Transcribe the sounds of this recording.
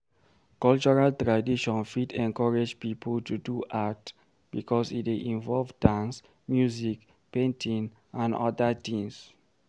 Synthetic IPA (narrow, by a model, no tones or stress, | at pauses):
kɔlt͡ʃɔɹaltɹadiʃɔ̃nfitɛ̃ŋkɔɹed͡ʒpipʰəltuduʔat | b̥ikʰɔsḭteʔĩnvɔlvdãns | mjuzik | pẽntʰĩn | ãnɔ̰dət̪ĩŋs